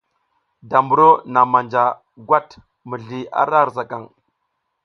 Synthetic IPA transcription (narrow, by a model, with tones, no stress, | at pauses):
da˨mbu˨ɾo˦na˨ma˨nd͡ʒa˨ | ɡwa˦t | mə˨ɮi˨a̰˦ɾa˦˨ɾza˨ka˨ŋ